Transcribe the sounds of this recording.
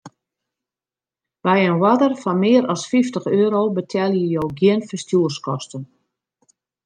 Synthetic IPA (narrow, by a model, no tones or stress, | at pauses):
bɛjənwadərfɔnmɪəɾɔsfiftəxøːɾobətʰɛlˠjəjowɡjɪənfərstjuərskɔstən